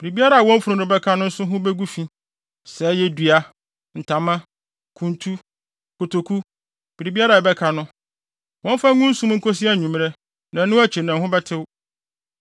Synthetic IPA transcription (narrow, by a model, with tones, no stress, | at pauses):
b̥i˨ɾi˨bi˦a˦ɾa˦˨a˨wɔ̃˦m˦fu˨ɾʊ̃˨nɪ̃˨bɛ˦kʰa˦nʊ̃˦n̩˦sʊ˦ɦʊ̃˦bɛ˦ɡu˦fĩ˦ | sɛ˨˦jɛ˦dɥa˦ | n̩˨tʰã˨mã˦ | kʰũ˨ntʰu˦ | kʰo˨tʰo˨kʰu˦ | b̥i˨ɾi˨bi˦a˦ɾa˨ɛ˨bɛ˦kʰa˨nʊ̃˦ | wɔ̃˦m˦fa˦ŋʊ̃˦n̩˦sũ˦m˦ŋ̩˦kʰo˦si˦a˦˨ɲũ˨mɾɛ˦ | nã˨˦nʊ̃˦æ˦t͡ɕʰi˨nã˨ɦʊ̃˦bɛ˦tʰɪ˦w